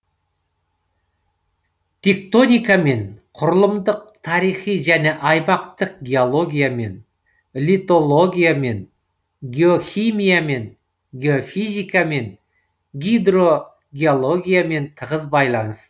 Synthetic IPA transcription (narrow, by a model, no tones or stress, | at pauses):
t̪ʲʰe̞k̚t̪o̞nʲijkame̞ɴqʰʊɾəlˠəmd̪əq̚t̪ʰɑɾijχijʒæne̞ʔɑjmɑqt̪əq̚ɡʲe̞o̞lˠo̞ɡʲijame̞n | lʲit̪o̞lˠo̞ɡʲijame̞n | ɡʲe̞o̞xʲijmijame̞ŋ | ɡʲeo̞fijzʲijkame̞n | ɡʲid̪ɾo̞ | ɡʲeolˠo̞ɡʲijame̞nt̪ʰəʁəzbɑjlˠɑnəsə